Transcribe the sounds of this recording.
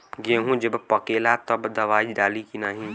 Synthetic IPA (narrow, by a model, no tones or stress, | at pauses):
ɡeɦũd͡ʒəbpəkelat̪əbd̪əʋaːid͡ʒɖaːlikinaːɦĩ